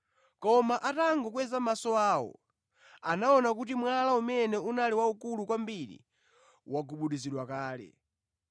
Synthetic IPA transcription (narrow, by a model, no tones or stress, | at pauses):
kɔmaʔataŋɡɔkwɛzamasɔaːwɔ̰ | anaɔnak̬utimwalaumɛnɛunaliwaukulukwambiɾḭ | waɡuɓuɗiziɗwakaːlɛ̰